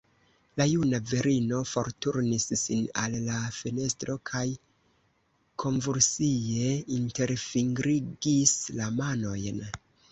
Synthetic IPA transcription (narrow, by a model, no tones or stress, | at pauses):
lajunaveɾino̞fo̞ɾtuɾnisːinalːafene̞stɾo̞kʰaj | kʰo̞nvuɾsie̞inte̞ɾfiŋɡɾiɡislamano̞jn